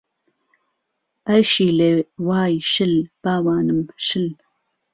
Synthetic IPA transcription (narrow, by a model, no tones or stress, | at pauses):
ʔɐjʃiːlewaːjʃɨlb̥aːwaːnɨmʃɨl